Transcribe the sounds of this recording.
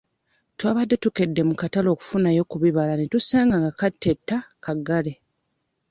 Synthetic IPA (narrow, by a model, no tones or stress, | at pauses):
twaːβadːe̞tuke̞dːe̞mukatalo̞ːku̥funajo̞kuβiβalanitusaːŋɡaŋɡakatːetːakaɡale